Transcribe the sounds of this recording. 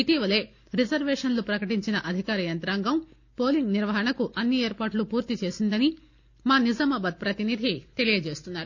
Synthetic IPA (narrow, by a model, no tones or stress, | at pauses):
it̪iːʋɐle̞ː | ɾid͡ʒɐɾʋeːʂɐnlupɾɐkɐʈiɲt͡ʃinɐʔɐd̪ʱikaːɾɐjɐnt̪ɾaːŋɡɐm | po̞ːliŋɡniɾʋɐɦɐɳɐkuʔɐnːieːɾpaːʈlupuːɾt̪it͡ʃe̞ːsind̪ɐni | maːnid͡ʒɐmɐbɐd̪̚pɾɐt̪inid̪ʱit̪e̞lijɐt͡ʃe̞ːst̪unːaːɾu